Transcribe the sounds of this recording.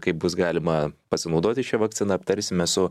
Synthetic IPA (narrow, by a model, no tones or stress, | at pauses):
kɐɪp̚bʊsɡɑːlʲɪmɐpɐsʲɪnɒʊd̪oːt̪ʲɪʃʲɛʋɐk̚t͡s̪sʲɪnɐɐpt̪ɐɾʲsʲɪmʲɛsʊ